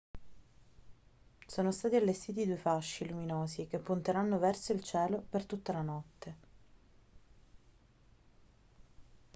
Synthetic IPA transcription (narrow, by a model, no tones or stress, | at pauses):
soːnost̪aːt̪ialːest̪iːt̪̬id̪uefaʃːiluminoːsik̟epːunt̪eɾanːovɛrsoilt͡ʃɛːlopert̪ut̪ːalanɔt̪ːe